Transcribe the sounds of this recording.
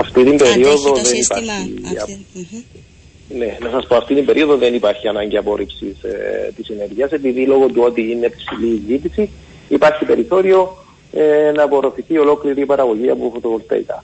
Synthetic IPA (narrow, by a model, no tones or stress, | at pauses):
ɐft̪it̪imbe̞ɾio̞ðo̞ðe̞nipaɾçḭɐ | nenɐsɐspoɐft̪it̪imbe̞ɾio̞ðo̞ðe̞nipaɾçiɐnɐɲɟiɐpo̞ɾipsist̪isine̞ɾʝiɐse̞piðilo̞ɣot̪uo̞t̪iineːpsilizit̪isi | ipaɾçipe̞ɾiθo̞ɾio̞ | enɐpo̞ɾo̞θiθio̞lo̞kliɾipɐɾɐɣo̞ʝiɐ̰pofot̪ovolt̪ɐ̰ḭkɐ̰